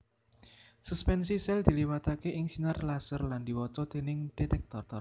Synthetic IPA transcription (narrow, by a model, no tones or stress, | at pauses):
suspɛnsisɛld̪̥i̤liwat̪akeʔɪŋsinarlasərland̪̥i̤wɔt͡ʃɔd̪̥e̤nɪŋɖ̥et̪ɛk̚t̪ɔrt̪ɔr